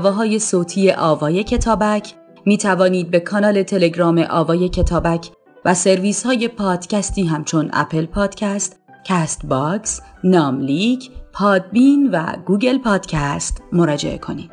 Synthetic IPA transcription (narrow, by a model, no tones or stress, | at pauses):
vɒːɦɒːje̞soːt̪ʰiːje̞ʔɒːvɒːje̞cʰe̞t̪ʰɒːbæcʰ | miːt̪ʰævɒːniːd̪̚be̞kʰɒːnɒːle̞t̪ʰe̞le̞ɟɾɒːme̞ʔɒːvɒːje̞cʰe̞t̪ʰɒːbæcʰ | væse̞ɾviːshɒːje̞pʰɒːd̪̥cæst̪iːɦæmt͡ʃʰo̞næ̰pʰe̞lpʰɒːd̪̥cʰæst̪ | cʰæst̪bɒksnɒːmliɡpʰɒːd̪̚binvæ̰ɡuːɡe̞lpʰɒːd̪̥cʰæst̪mo̞ɾɒːd͡ʒe̞̰ʔe̞̰kʰo̞̰niːd̪̥